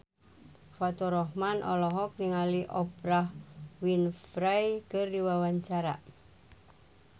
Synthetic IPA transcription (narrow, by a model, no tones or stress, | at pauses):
fat̪ɔɾɔɦmanʔɔ̰lɔɦɔk̚niŋaliʔɔbɾahwinfɾajkərdiwawaɲt͡ʃaɾa̰